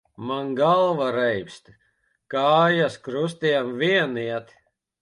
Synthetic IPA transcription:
manɡalˠvaɾɛjpst̪ | kaːjaskɾus̬t̪iɛmviɛniɛt̪

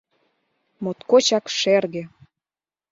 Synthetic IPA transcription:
mot̪kot͡ɕɑkʃerɣĕ

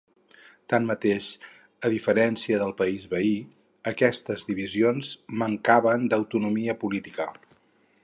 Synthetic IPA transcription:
t̪anmət̪eʃ | əðifəɾɛnsiəðəlˠpəizβəi | əkɛst̪əzðiβ̞izionzməŋkaβənd̪əwt̪unumiəpulit̪ikə

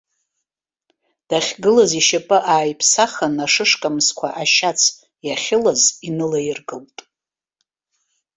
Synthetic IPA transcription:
d̥aχʲɡɨlaziʃapʼɨʔaːjpʰsaχanaʂɨʂkʼamskʷʰaʔaʃat͡sʰ | jaχʲɪlazinɨlajɪrɡɨltʼ

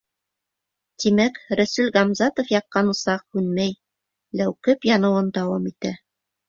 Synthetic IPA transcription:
t̪imækɾæsʉlʁɑmzɑt̪ŏfjɑqːɑnŏsɑq̚hʉnmæj | læwkɘpjɑnɤ̆wɤnd̪ɑwɑmit̪æ

